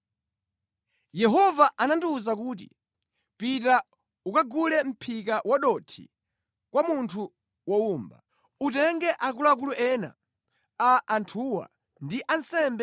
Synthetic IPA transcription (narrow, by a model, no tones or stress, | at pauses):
jɛɦɔvaʔananduːzak̬uːt̬ḭ | pita | ukaɡulɛm̩pʰik̬awaɗɔtʰḭ | kwamuntʰu | wɔuːmba̰ | utɛŋɡɛʔakulak̬uluʔɛna̰ | aʔːntʰuːwa̰ | ndiʔansɛmbɛ